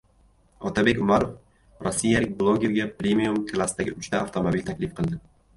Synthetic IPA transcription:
ɒt̪ʰabe̞kʲʊmaɾof | ɾosːijalɪk̚ʲblˠoɡʲe̞ɾɡʲapɾʲe̞mijumkʰlˠasd̪aɡʲɪʊt͡ʃt̪ʰaaft̪ʰo̞mabilt̪ʰakʲlɪfqʰɨlˠd̪ɪ

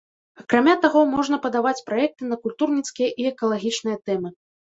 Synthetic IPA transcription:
ɐkɾamʲat̪aɣɔmɔʐnɐpɐd̪avat͡sʲpɾajɛk̚t̪ɨnɐkulʲt̪urnʲit̪skʲijɐʔiɛkɐlˠaɣʲit͡ʂnɨjɐt̪ɛmɨ

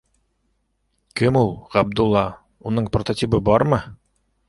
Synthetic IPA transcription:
kɘmulˠʁæb̚d̪ulˠːɑ | unɤɴprot̪ot̪ʲibɤbɑɾmɤ

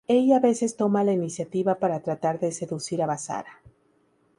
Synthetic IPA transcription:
e̞ʎaaβe̞se̞st̪o̞malainisjat̪iβapaɾat̪ɾat̪aɾðe̞se̞ðusiɾaβasa̰ɾa

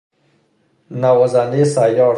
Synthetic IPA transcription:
nawazanesajɑ

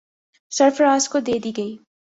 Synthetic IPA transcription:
sɐɾfəɾaːzkod̪eːd̪iːɡɐiː

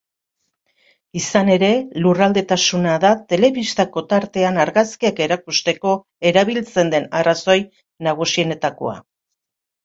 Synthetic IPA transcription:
isane̞ɾe̞lurald̪e̞t̪asunaðat̪e̞le̞βist̪ako̞t̪aɾt̪e̞anaɾɣaskiake̞ɾakust̪e̞ko̞ | e̞ɾaβilt͡se̞nd̪e̞naraso̞j | naɣ̞usie̞ne̞t̪ako̞̰a̰

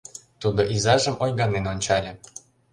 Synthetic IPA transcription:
t̪ud̪oʔizɑʒəmojɣɑnenonʲt͡ɕɑlʲĕ

